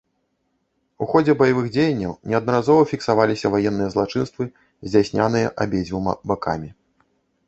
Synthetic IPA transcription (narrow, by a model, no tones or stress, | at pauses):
uxɔd͡zʲɛbɐjavɨɣd͡zʲejɐnʲːɐwnʲɛɐd̪nɐɾazɔvɐfʲiksavalʲisʲɐvajɛnːɨjɐzlˠat͡ʂɨnst̪vɨ | zʲd͡zʲasʲnʲanɨjɐʔabʲed͡zʲvumɐ̰baka̰mʲi